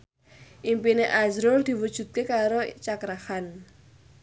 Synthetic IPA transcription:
ʔimpineʔazɾʊld̪̥i̤wud̥ʒ̥ṳt̪̚kekaɾot͡ʃakɾahan

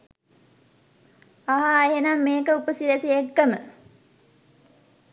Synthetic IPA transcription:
aɦaːɦenamːeːkəupəsiɾesiekːəmə̰

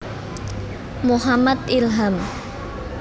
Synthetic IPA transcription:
muɦamat̪̚ilɦam

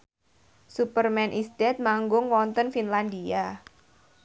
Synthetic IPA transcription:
supərmɛnʔisd̪ɛt̪̚maŋɡʊŋwɔnt̪ənfinlandia

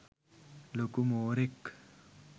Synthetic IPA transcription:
lokumoːɾik

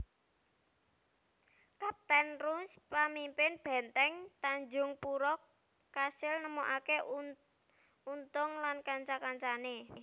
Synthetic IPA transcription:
kap̚t̪ɛnruspamimpɪnb̥ɛ̤nt̪ɛŋt̪aɲd͡ʒʊŋpuɾɔkː | asɪlnəmoʔake | unt̪ʊŋlankaɲt͡ʃakaɲt͡ʃane

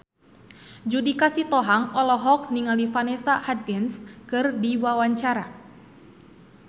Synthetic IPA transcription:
d͡ʒudikasit̪ɔɦaŋɔlɔɦɔk̚niŋalifanɛsahad̪̚ɡɛnskɨrdiwawaɲt͡ʃaɾa

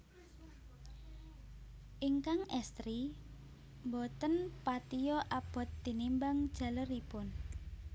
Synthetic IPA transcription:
ʔiŋkaŋɛst̪ɾi | mbot̪ənpat̪ijɔʔab̥ɔ̤t̪̚d̪̥i̤nimbaŋ̥ʒ̥ä̤ləripʊn

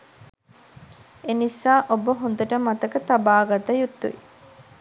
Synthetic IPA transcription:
enisaːʔobəɦond̪əʈəmat̪əkət̪abaːɡat̪ɐjut̪ːṵi

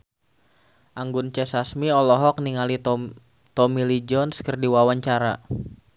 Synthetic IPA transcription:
ʔaŋɡʊnt͡ʃɛsasmiɔlɔɦɔk̚niŋali | t̪ɔmilid͡ʒɔnskərdiwawaɲt͡ʃaɾa

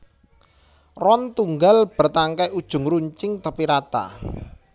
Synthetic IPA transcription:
rɔnt̪uŋɡalb̥ə̤rt̪aŋkajud̥ʒ̥ʊ̤ŋɾuɲt͡ʃɪŋt̪əpiɾat̪a̰

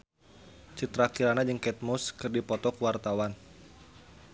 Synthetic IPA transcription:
t͡ʃit̪ɾakiɾanad͡ʒəŋkɛt̪̚mʊskɨrdipɔt̪ɔkuwart̪awan

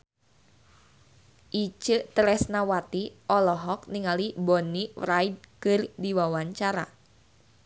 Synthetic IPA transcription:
ʔit͡ʃəʔt̪əɾɛsnawat̪iʔɔlɔɦɔk̚niŋalibɔnirajd̚kɨrdiwawaɲt͡ʃaɾa̰

